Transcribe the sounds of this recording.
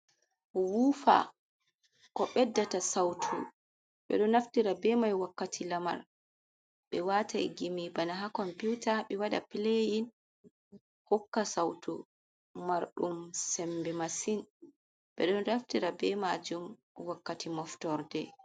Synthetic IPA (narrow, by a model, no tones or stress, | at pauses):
wuːfa̰ | kɔɓɛdːatasawtʰṵ | ɓɛ̰ɗɔnːaftiɾabɛmajwakːatʰilama̰ɾ | ɓɛwatʰajɡimibanaɦakɔmpiwtaɓɛwaɗa̰pilejin | hɔkːasawtṵ | maɾɗumsɛmbɛmasin | ɓɛɗɔndaftiɾabɛmad͡ʒum | wakːatimɔftɔɾdɛ